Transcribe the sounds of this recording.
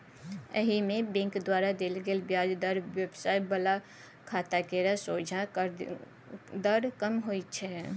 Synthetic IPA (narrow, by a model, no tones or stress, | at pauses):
ə̰ɦimẽbẽŋkd̪waːɾad̪eːlɡeːlbjaːd͡ʒd̪əɾʋebsaːɪbəla | kʰaːt̪akeːɾasoːd͡ʒʱã | d̪əɾkəmɦoːit͡ʃʰɛ